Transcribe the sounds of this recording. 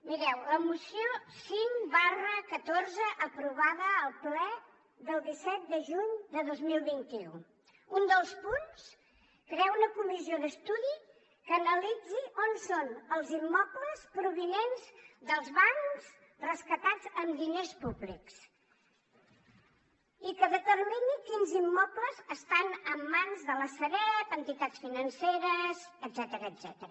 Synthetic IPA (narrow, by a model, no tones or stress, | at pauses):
miɾɛwləmusiosiŋbarəkət̪orzəʔəpɾuβaðəːlˠplɛ | ðəlˠd̪isɛt̪̚d̪əʒuɲd̪əðozmilˠβint̪iṵ | und̪əlˠspuns | kɾeɛwunəkumizioðəst̪uði | kənəlid͡ziʔonsonəlˠzimːɔpləspɾuβ̞inenzd̪əlˠzβaŋz | rəskət̪ad͡zəmd̪inespuβliks | ikəðət̪ərminikinzimːɔpləzəst̪anəmːanzðələsəβɛt̪ənt̪it̪att͡sfinənseɾəzəd̪zɛt̪əɾəːd̪z̥ɛt̪əɾə